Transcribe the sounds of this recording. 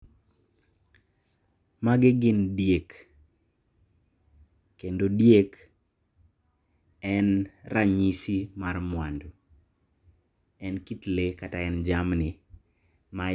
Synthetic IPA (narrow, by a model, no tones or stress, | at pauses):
maɡɪɡɪndjek | endodjek | ɛnrʔaɲisimarmwando | ɛnkitlekataɛnd͡ʒamnɪ | ma